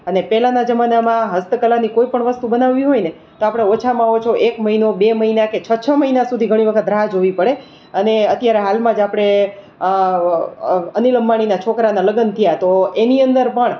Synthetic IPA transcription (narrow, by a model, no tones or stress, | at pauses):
ənepɛlanad͡ʒəmanamãɦəst̪əkəlanikoipəɳʋəst̪ubənaʋːiɦojne | t̪oapɽ̃eot͡ʃʰamãɦot͡ʃʰoʔekməɦinobeməɦinaket͡ʃʰət͡ʃʰəməɦinasud̪ʱiɡʱəɽ̃iʋəkʰət̪̚d̪ɾaɦad͡ʒɦoʋipəɽe | əneət̪jaɾeɦalmãd͡ʒapɽ̃e | əniləmbaɽ̃inat͡ʃʰokɾanaləɡənt̪ʰijat̪oeniənd̪əɾpəɳ